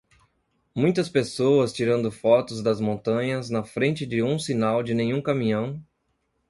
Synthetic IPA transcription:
mũj̃t̪ɐspesowɐst͡ʃiɾɐ̃nd̪ʊfɔt̪ʊzd̪ɐzmõnt̪ɐ̃ɲɐznɐfɾẽnt͡ʃɪd͡ʒɪũsinawd͡ʒɪnẽɲ̃ũkɐmĩɲɐ̃w̃

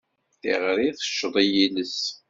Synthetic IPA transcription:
θiʁɾiθə̥ʃːðˤijiləs

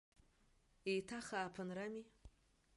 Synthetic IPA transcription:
ejtʰaχaːpʰɨnrami

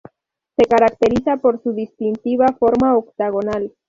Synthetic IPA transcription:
se̞kaɾakt̪e̞ɾisapo̞ɾsuðist̪int̪iβafo̞ɾmaokt̪aɣ̞onal

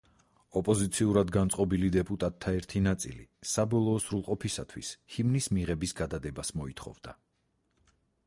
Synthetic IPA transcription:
ɔpʼɔzit̪sʰiuɾad̪ɡant̪sʼqʼɔbilid̪ɛpʼut̪ʼat̪ʰːaɛɾt̪ʰinat̪sʼḭlḭsabɔlˠɔːsɾulˠqʼɔpʰisat̪ʰwḭshimnismiʁɛbisɡad̪ad̪ɛbasmɔit̪ʰχɔ̰vd̪a̰

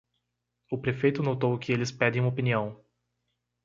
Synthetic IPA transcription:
ʊpɾefejt̪ʊnot̪owkɪelɪspɛd̪ẽj̃ũopiniɐ̃w̃

